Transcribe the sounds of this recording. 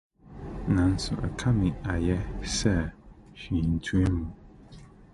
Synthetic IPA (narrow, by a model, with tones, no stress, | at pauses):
nã˨˦n̩˨sṵ˨ʔə̰˨kʰa˦mi˨a˨jɛ˦sɛ˦˨ʃi˨n̩˨tʰu˦e˦mu˨